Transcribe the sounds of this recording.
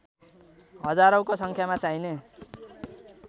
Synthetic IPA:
ɦʌd͡zaɾʌwkosʌŋkʰjamat͡saine

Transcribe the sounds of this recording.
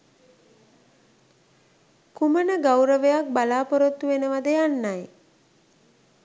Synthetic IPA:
kumənəɡawɾəʋejak̚balaːpoɾot̪ːuʋenəʋad̪əjanːaj

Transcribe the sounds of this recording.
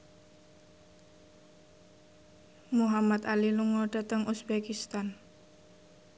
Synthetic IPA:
muɦamat̪aliluŋɔɖ̥a̤t̪əŋʔusbekist̪an

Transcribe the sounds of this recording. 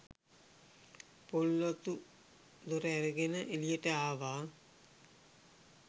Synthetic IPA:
polːot̪u | d̪oɾəæɾəɡenəʔelijəʈəaːʋaː

